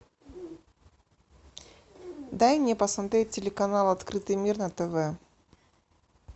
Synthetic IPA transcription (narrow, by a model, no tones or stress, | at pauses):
d̪anʲɪpəsmɐt̪ɾʲet̚ʲtʲːɪlʲɪkɐnalˠɐt̪kɾɨt̪ɨjmʲirnɐt̪ɛvɛ